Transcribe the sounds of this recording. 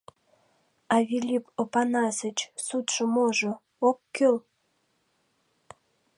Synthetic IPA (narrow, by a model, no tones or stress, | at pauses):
ɑvʲilʲipopɑnɑsə̆t͡ɕsut̪ʃə̆moʒo | okːyl